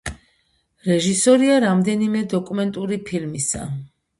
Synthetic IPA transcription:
ɾɛʒisɔɾiaɾamd̪ɛnimɛd̪ɔkʼumɛnt̪ʼuɾipʰilmisa̰

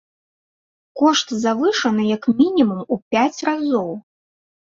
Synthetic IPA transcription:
kɔʂt̪zavɨʂɐnɨjɐkmʲinʲimumupʲat͡sʲrazɔw

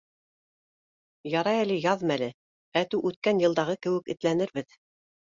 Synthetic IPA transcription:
jɑɾɑjælɘjɑðmælɘ | æt̪ʉwʔʉt̪̚kænjɤ̆lˠd̪ɑʁɤkɘ̆wɘ̆kɘ̆t̪lænɘɾbɘð

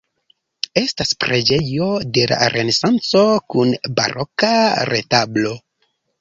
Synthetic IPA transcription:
e̞staspɾed͡ʒe̞jo̞de̞la̰ɾʔe̞ne̞sant͡so̞kunba̰ɾokaɾe̞tablo̞

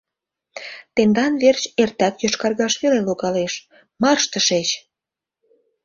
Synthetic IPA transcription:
t̪end̪ɑnβert͡ɕert̪ækjoʃkɑrɣɑʃβeleloɣɑleʃ | mɑrʃt̪əʃet͡ɕ

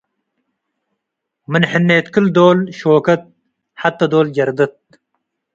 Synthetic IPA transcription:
mənħənːeːt̪kɨld̪oːlʃoːkɐt̪̚ | ħat̪ːɐd̪oːlɡɐɾd̪ɐt̪̚

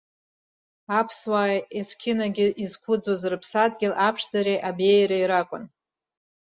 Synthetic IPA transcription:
apʰswaːjeskʲʰɪnaɡʲɪʔizkʷʰʊd͡zwazrɨpʰsadɡʲɪlapʰʂd͡zaɾeʔabejɾaiɾakʷʼʊ̰n

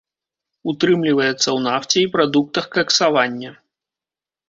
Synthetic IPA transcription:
ut̪ɾɨmlʲivɐjɛt̪sːɐwnaft͡sʲɛipɾad̪uk̚t̪ɐxkɐksavanʲːɐ

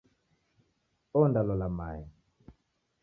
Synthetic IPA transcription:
ɔndalɔlamajɛ

